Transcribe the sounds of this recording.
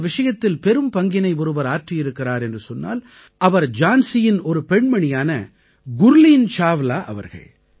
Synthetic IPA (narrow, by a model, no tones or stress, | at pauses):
ʋɪʂɐjɐt̪ːɪlpɛɾɯmpɐŋɡɪnɐɪʋʊɾɯbɐɾaːʈrɪjɪɾɯkːɪraːɾɛndrɯsɔnːa̰ːl | ɐʋɐɾd͡ʒaːnsɪjɪnɔɾɯpɛɳmɐɳɪjaːnɐ | ɡʊɾliːnt͡ʃaːʋlaːʔɐʋɐ̰ɾɣɐ̰ɭ